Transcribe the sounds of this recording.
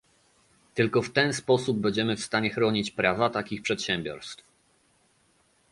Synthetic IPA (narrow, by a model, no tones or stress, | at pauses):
t̪ɘlkɔft̪ɛnspɔsub̚bɛɲd͡ʑɛmɘfst̪aɲɛxɾɔɲit͡ɕpɾavat̪akʲixpʂɛt̪ɕɛmbʲjɔ̰ɾst̪f